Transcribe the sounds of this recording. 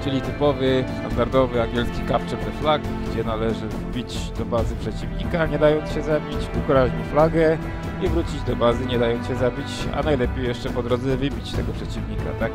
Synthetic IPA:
t͡ʂɘlʲit̪ɘpɔvɘst̪a̰nd̪aɾd̪ɔvɘaŋɡʲjɛlskʲikapt͡ʂɛɾvɛflakɡd͡ʑɛnalɛʐɘ | bʲit͡ɕ | d̪ɔbazɘpʂɛt͡ɕivɲikaɲɛd̪ajɔnt̪sɕɛzabʲit͡ɕukɾaʑɲiflaɡɛ | ivɾut͡ɕid͡ʑd̪ɔbazɘɲɛd̪ajɔnɕɛzabʲit͡ɕa̰najlɛpʲejɛʂt͡ʂɛpɔd̪ɾɔd̪zɛvɘbʲit͡ɕt̪ɛ̰ɡɔpʂɛt͡ɕivɲika̰t̪ak̚

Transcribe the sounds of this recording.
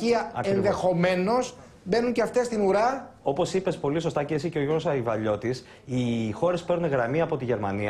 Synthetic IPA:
iɐɐ̰enðe̞xo̞me̞no̞s | be̞nuɲceɐft̪e̞st̪inuɾɐo̞po̞sipe̞spo̞liso̞st̪ɐceesiceoɾosɐivɐʎo̞t̪is | ixo̞ɾespeɾuneɣɾɐmiɐpo̞t̪iʝe̞ɾmɐ̰niɐ

